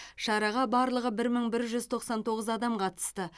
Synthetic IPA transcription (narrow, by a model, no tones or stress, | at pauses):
ʃɑɾɑʁɑbɑɾlˠəʁəbɪɾməɴbɪɾʒʏz̥t̪ʰo̞qsɑnt̪ʰo̞ʁəzɑd̪ɑmqʰɑt̪ə̥st̪ə